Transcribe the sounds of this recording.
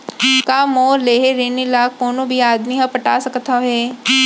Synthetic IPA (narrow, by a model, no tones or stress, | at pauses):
kaːmoːleːɦeɾeːnilaːkːoːnõbʱiaːd̪miɦɐ̃pɐʈa̰ːsɐkt̪aɦeː